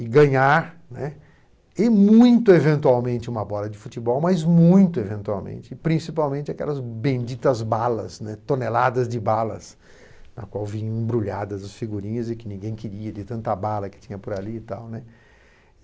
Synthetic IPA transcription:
ɪɡɐ̃ɲaɾ | nɛ | ɪmũj̃t̪ʊevẽnt̪uawmẽnt͡ʃɪũmɐbɔlɐd͡ʒɪfut͡ʃ̪ibɔwmɐzmũj̃t̪ʊevẽnt̪uawmḛ̃nt͡ʃɪpɾĩsipawmẽnt͡ʃɪakɛ̰lɐzbẽd͡ʒit̪ɐzbalɐ̰snɛt̪õnelad̪ɐzd͡ʒɪbalɐ̰s | nɐ̰kwawvĩɲɐ̃w̃ẽbɾuʎad̪ɐzɐsfiɡuɾĩɲɐzɪkɪnĩɡẽj̃kɪɾiɐd͡ʒɪt̪ɐ̃nt̪ɐbalɐkɪ̥t͡ʃĩɲɐpʊɾalit̪a̰wnɛ

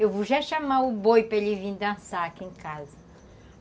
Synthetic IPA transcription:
ewvoʒaʃamaʊbojpɾɐelivĩd̪ɐ̃sakiẽkazɐ

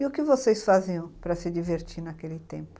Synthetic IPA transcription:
ɪʊkɪvosesfaziɐ̃w̃pɾɐsɪd̪iveɾt͡ʃ̪iɾnakelɪt̪ẽmpʊ̥

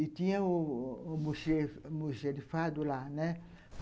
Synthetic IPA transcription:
itĩɛ̃omuʃemuʃedifadolanɛ̃

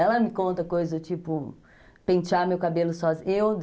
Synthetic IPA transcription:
ɛlɐmɪkõnt̪ɐkojzɐd̪ʊt͡ʃipʊ | pẽt͡ʃamewkabelʊsɔzewd̪

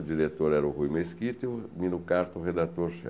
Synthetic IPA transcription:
d͡ʒiɾet̪oɾɛɾʊhujmeskit̪ɪʊmĩnʊkaɾt̪ʊʁed̪at̪oɾʃɛ̰

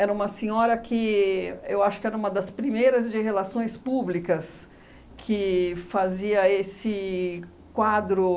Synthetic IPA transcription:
ɛɾɐũmɐsẽɲɔɾɐkɪewaʃʊkɪɛɾɐũmɐd̪ɐspɾimejɾɐzd͡ʒɪɦelasõj̃spublikɐs | kʰɪfaziɐesɪ | kwad̪ɾʊ

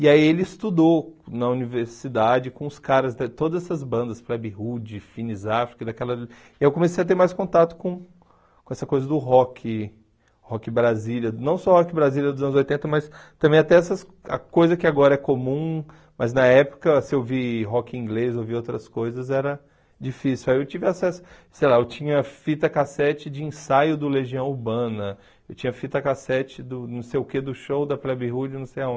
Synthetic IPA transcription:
ɪaielɪist̪ud̪onɐuniveɾsid̪ad͡ʒɪkõʊskaɾɐzd̪ɛt̪od̪ɐzɛsɐzbɐ̃nd̪ɐsplɛbihud͡ʒɪfinizafɾi̥kɐd̪akɛlɐ | ɪewkõmesejɐt̪̬eɾmajskõnt̪at̪ʊ̥kõ | kõɛsɐkojzɐd̪ʊɦɔkʰɪ | hɔkɪbɾaziljɐnɐ̃w̃sɔhɔkɪbɾaziljɐd̪ʊzɐ̃nzojt̪ẽnt̪ɐmɐst̪ɐ̃mbẽj̃at̪ɛɛsɐs | ɐ̰kojzɐkɪaɡɔɾɐɛkomũ | mɐznɐɛpʊ̥kɐsɪewviɦɔkɪĩŋɡlezowviowt̪ɾɐskojzɐzɛɾɐ | d͡ʒifisiwaiewt͡ʃivɪasɛsʊ̥ | sejlaewt͡ʃĩɲɐfit̪ɐkasɛt͡ʃɪd͡ʒɪĩsajʊd̪ʊleʒiɐ̃w̃uɾbɐ̃nɐ | ewt͡ʃĩɲɐfit̪ɐkasɛt͡ʃɪd̪ʊnũw̃sejʊked̪ʊʃowd̪ɐplɛbihud͡ʒnɐ̃w̃sejaõ

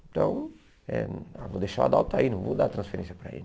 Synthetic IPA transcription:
t̪ɐ̃w̃ | ɛ̰̃avod̪ejʃaad̪awt̪ainɐ̃w̃vod̪at̪ɾɐ̃sfeɾẽsjɐpɾɐ̰ḭ

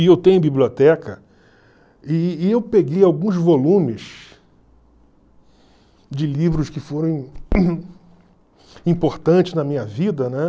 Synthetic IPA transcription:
ɪewt̪ẽj̃ʊ̃biblʲiot̪ɛkɐ | ɪːewpeɡejawɡũzvolũmɪʃ | d͡ʒɪlivɾʊskɪfoɾɐ̃w̃ | ĩpoɾt̪ɐ̃t͡ʃɪznɐmĩɲɐvid̪ɐnɛ

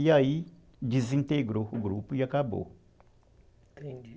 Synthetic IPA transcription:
jai | d̪izĩnt̪eɡɾohuɡɾupujakabo̰

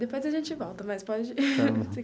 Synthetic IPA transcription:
d̪epojzɐʒẽnt͡ʃɪvɔwt̪ɐmɐspɔd͡ʒɪse

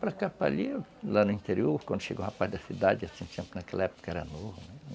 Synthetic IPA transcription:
pɾɐkapa̰ʎilanʊĩnt̪eɾioɾkwɐ̃nd̪ʊʃḛɡõhapazd̪ɐsid̪ad͡ʒɪasĩt̪ẽmpʊnɐkɛlɐɛpʊ̥kɐɛɾɐ̰novɐnɛ

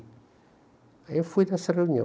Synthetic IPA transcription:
ɐewfujnɛsɐreunjõ̰

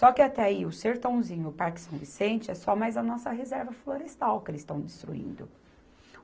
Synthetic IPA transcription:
sɔkɪat̪ɛaiʊseɾt̪ɐ̃w̃zĩɲʊpaɾkɪ̥sɐ̃w̃visẽnt͡ʃɪɛsɔmajzɐnɔsɐɦezɛɾvɐfloɾest̪awkelɪst̪ɐ̃w̃d͡ʒ̪ɪst̪ɾṵḭ̃nd̪ʊ

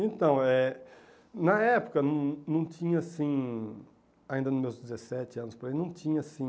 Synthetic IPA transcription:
ẽt̪ɐ̃w̃ɛ | nɐɛpʊ̥kɐnɐ̃w̃nɐ̃w̃tĩɲɐasĩ | aĩnd̪ɐnʊmewzd͡ʒɪzesɛt͡ʃɪɐ̃nʊspoɾaijnɐ̃w̃t͡ʃĩɲɐasĩ

